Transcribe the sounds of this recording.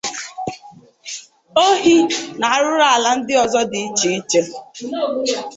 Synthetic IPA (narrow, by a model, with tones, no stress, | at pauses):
o˦ɦi˦na˨a˦ɾʊ˦ɾa˦a˨la˦n̩˦dɪ˦ɔ˨zɔ˦dɪ˨i˦t͡ʃi˨i˦t͡ʃe˦